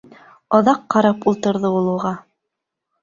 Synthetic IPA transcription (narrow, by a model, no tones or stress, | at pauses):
ɑðɑqːɑɾɑpulˠt̪ɤ̆ɾðɤulˠɤ̆ʁɑ